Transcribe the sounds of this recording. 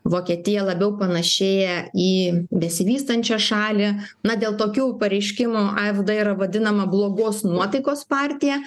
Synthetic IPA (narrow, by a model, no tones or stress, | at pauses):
ʋoːkʲiɛt̪ʲɪjɛlˠɐbʲɛʊpɐnɐʃʲeːjɛiːbʲɛsʲɪʋʲiːst̪ɐnʲt͡ʃʲɛʃɑːlʲɪ | nɐd̪ʲeːlˠt̪oːkʲuːpɐɾʲɛɪʃʲkʲɪmʊʔɐɛvd̪ɐiːɾɐʋɐd̪ʲɪnɐmɐblˠoːɡoːsnuɔt̪ɐɪkoːspɑːɾʲt̪ʲɪjɛ